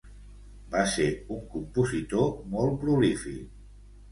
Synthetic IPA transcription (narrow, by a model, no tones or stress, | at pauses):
baseuŋkumpuzit̪omɔlˠpɾulifik